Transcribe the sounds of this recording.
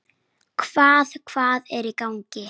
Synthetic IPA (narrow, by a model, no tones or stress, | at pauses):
kʰv̥aːðkʰv̥aːðɛɾikawɲcɪ